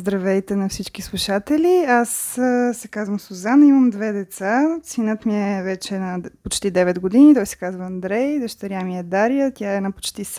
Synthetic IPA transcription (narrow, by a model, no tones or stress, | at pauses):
zd̪ɾɐvɛjt̪ɛnɐfsit͡ʃkislˠuʃat̪ɛliassɛkazvəmsʊzanəimɐmd̪vɛd̪ɛt̪sasinət̪miɛvɛt͡ʃɛnɐpot͡ʃt̪id̪ɛvɛd̪ɡod̪init̪ɔjsɛ̥kazvəɐnd̪ɾɛjd̪əʃt̪ɐɾjamiɛd̪aɾijət̪jaɛnɐpo̥t͡ʃt̪is